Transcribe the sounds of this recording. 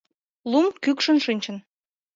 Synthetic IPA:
lumkykʃə̆nʃɨnʲt͡ɕə̆n

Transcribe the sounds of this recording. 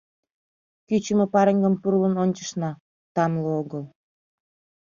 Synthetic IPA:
kyt͡ɕəmĕpɑɾeŋɡəmpurlənonʲt͡ɕə̥ʃnɑ | t̪ɑmlooɣəl

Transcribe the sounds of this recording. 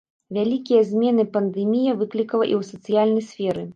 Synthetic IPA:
vʲalʲikʲijɐzʲmʲɛnɨpɐnd̪ɛmʲijɐvɨklʲikɐlˠɐʔiwsɐt̪sɨjalʲnɐjsʲfʲɛɾɨ

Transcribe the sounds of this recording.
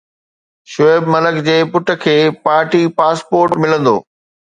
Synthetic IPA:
ʃʊebmɐləkd͡ʑeːpʊʈʰə̆kʰeːpaːɾʈipaːspoːɾʈmɪlə̃nd̪o̰ː

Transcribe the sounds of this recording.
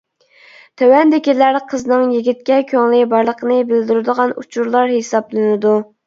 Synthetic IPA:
t̪ʰɛwɛnd̪ɪkʲilæɾqʰəznɨŋjiɡʲit̪̚kʲɛkʲʰøŋlɪbɑɾlˠəqʰənɨbɪld̪yɾɪd̪əʁɑnṵt͡ʃʰuɾlˠɑɾhesɑblˠɨnɨd̪u

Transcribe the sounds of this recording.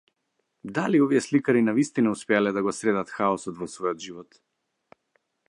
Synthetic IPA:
d̪aliɔvijɛslikaɾinavist̪inauspɛalɛd̪aɡɔsɾɛd̪at̪xaɔsɔt̪vɔsvɔjɔd̪ʒivɔt̪

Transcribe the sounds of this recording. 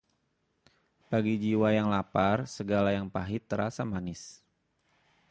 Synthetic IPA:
b̥aɡid͡ʒiwajaŋlaparsəɡalajaŋpaɦit̪əɾasamanɪs

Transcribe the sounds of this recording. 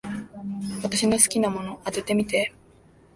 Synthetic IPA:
βat̪aɕino̞sɨ̥kʲinamo̞no̞ʔat̪e̞t̪e̞mʲit̪e̞

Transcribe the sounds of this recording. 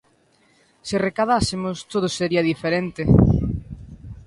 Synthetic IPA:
sɪrekaðasemost̪oð̞oseɾiɐðifeɾent̪e

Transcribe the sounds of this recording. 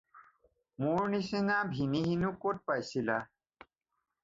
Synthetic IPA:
muɹnisinabʱiniɦinukot̚pajsila

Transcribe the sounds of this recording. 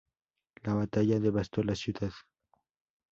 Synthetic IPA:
laβat̪aʝaðe̞βast̪olasjuðað

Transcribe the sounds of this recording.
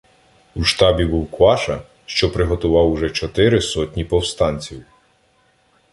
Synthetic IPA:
uʃt̪ɑbʲibuwkʋɑʃɐ | ʃt͡ʃɔpɾɪɦɔt̪ʊʋɑwʊʒɛt͡ʃɔt̪ɪɾɪsɔtʲnʲipɔwst̪ɑnʲt͡sʲiw

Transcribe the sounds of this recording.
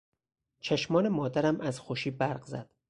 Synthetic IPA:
t͡ʃʰeʃmɒːnemɒːd̪æɾæmæzxoʃiːbæɾɢzæ̰d̪̥

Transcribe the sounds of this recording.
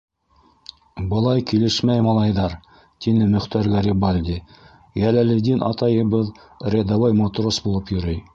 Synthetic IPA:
bɤ̆lˠɑjkilɘʃmæjmɑlˠɑjðɑɾ | t̪inɘmɵ̆χt̪æɾɡæɾibalʲd̪ʲi | jælælɘ̆d̪inʔɑ̰t̪ɑjɤ̆bɤð | rʲed̪ɑvojmot̪rosbulˠɤpjɵ̆ɾɘj

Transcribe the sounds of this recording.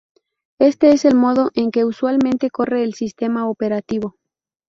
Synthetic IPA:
e̞st̪e̞ese̞lmo̞ð̞o̞ʔe̞ŋke̞uswalmẽnt̪e̞ko̞re̞ːlsist̪e̞maope̞ɾat̪iβo̞

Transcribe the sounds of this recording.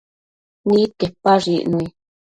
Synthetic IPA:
nĩtepːaʐiʔnũi

